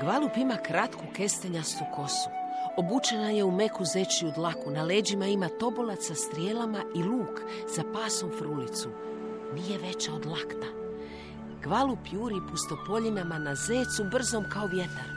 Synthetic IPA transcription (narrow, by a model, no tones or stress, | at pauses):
ɡ̥ʋalupimakɾat̪kuke̞st̪eɲast̪ukʰo̞su̥obut͡ʃenaje̞ume̞kuze̞t͡ʃiud̪lakunale̞ːd͡ʑimaimat̪o̞bolat̪sast̪ɾijeːlamaʔiluːk | zapaːso̞mfɾulit̪su | nije̞ʋe̞t͡ɕao̞d̪lˠakt̪a | ɡ̥ʋalupjuːɾipust̪o̞po̞ʎinamanazeːt̪subr̩zo̞mkao̞ʋje̞t̪a̰ɾ